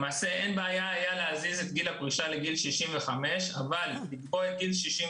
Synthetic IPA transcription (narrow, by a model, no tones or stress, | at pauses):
maːse̞enbeajaajaleazizet̪̚ɡilhapʁiʃale̞ɡilʃiʃimve̞χame̞ʃavalːiɡbo̞et̪̚ɡilʃiʃim